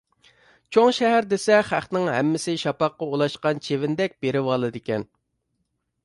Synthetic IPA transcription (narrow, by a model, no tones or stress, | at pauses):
t͡ʃʰoŋʃɛɦæɾd̪esɛχæχnɪŋɦɛ̰mːɪsɪʃɑpɑqːɑolˠɑʃqɑnt͡ʃʰevɪnd̪ɛk̚ʲbeɾɪwɑlˠɨd̪ɪkʲɛn